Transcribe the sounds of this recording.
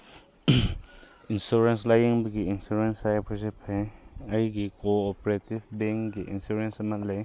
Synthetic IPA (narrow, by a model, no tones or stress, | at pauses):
insuɾenslajiŋbɐɡiːnsuɾensajpʰɔs̬ipʰhajɐjɡikoːpɾetibbeŋɡiʔḭnsuɾensmatlaj